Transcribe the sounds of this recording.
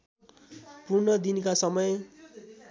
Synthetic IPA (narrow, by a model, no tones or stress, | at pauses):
purnʌd̪inkasʌmʌj